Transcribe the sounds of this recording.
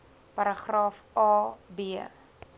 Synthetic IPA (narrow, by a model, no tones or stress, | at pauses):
pɐɾəχrɑːfɑːbeə